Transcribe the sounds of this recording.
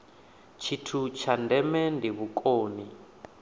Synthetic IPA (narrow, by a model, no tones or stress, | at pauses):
t͡ʃʰitʰut͡ʃʰandɛmɛndiβukʼoːni